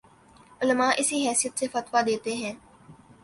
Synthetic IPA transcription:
ʊlmaːʔɪsiɦɛːsijət̪sefɐt̪wad̪eːt̪eɦɛ̃ː

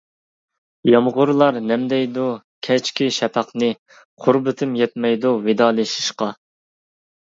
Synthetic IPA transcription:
jɑmʁʊɾlˠɑɾnɛmd̪ɛjd̪u | kʲʰɛt͡ʃkʲʰiʃɛpʰɑqnɨ | qʰʊɾbɪt̪ʰɪmjɛt̪̚mɛjd̪uvɪd̪ɑːlˠɨʃi̥ʃqɑ

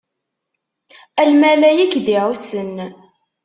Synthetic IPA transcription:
ælmælæjikːd̪iʕusən

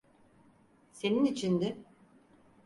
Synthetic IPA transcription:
se̞ninit͡ʃʰind̪ɪ

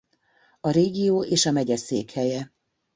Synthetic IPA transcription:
ɒɾeːɡijoːeːʃɒmɛɟɛsḛːkhɛjɛ

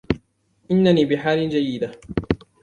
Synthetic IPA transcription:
ʔɪnːaniːbɪħaːlɪnd͡ʒajːɪd̪a

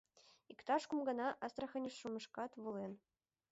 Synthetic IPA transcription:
ikt̪ɑʂkumɡɤ̆nɑʔɑst̪rɑ̆xʲɘ̆nʲɘ̆ʂːumɤ̆ʂkɑt̪ʋɤ̆lˠen

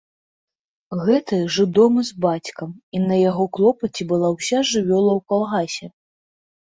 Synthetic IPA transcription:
ɣɛt̪ɨʐɨd̪ɔmɨzbat͡sʲkɐminɐjaɣɔklˠɔpɐt͡sʲɛbɨlˠawsʲaʐɨvʲɔlˠɐwkalˠɣasʲɛ

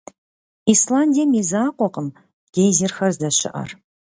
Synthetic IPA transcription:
islˠand̪ʲiamʲezaqʷɔqəm | ɡ̥ʲejzerxɐrzd̪aʃɪ̰ʔa̰r

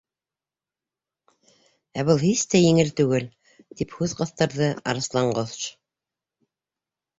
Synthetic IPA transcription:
æβɤlˠhist̪æjɘ̆ŋɘlt̪ʉɡɘl | t̪iphʉðqɑ̆θt̪ɑɾðɤɑ̰ɾɤ̆slˠɑɴɢoðt͡ʃ

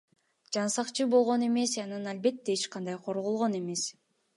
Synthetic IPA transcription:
d͡ʒɑnsɑqt͡ʃɯbo̞lˠʁo̞ne̞me̞sɑnɑnɑlbe̞t̪ːeet͡ʃqɑnd̪ɑjqʰo̞ɾʁolˠʁo̞ne̞me̞s

